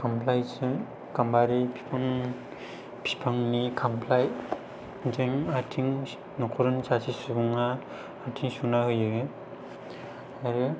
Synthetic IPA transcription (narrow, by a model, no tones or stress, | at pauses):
kʰampʰlajsɯ | kambaɾipʰi̥pʰaŋ | pʰi̥pʰaŋnikʰampʰlaj | zeŋaɾtʰiŋ | nɔkʰuɾɯnsasisubuŋaː | ɾtʰiŋsunahɯjɯɡe | aɾɯ